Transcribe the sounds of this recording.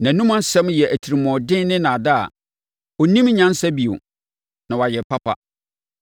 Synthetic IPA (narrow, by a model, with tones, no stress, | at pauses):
nã˨nũ˦mã˦n˦sɛ̃˦mjɛ˨ʔæ˨tʰi˨ɾi˨mɔ̃˨dɪ̃˦nɪ̃˦nã˨da˦a̰˨ | ɔ˨nĩ˦mɲã˦n˦sa˦bi˨o̰˨ | nã˨wa˨jɛ˨pʰa˦pʰa̰˨